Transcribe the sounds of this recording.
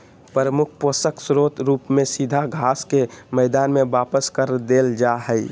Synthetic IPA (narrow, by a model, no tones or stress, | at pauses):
pəɾəmʊk̚ʰpoːsəksɾoːt̪ɾuːpmẽsid̪ʱaɡʱaːskemɛːd̪aːnmẽʋaːpəskəɾd̪eːld͡ʒaɦɛi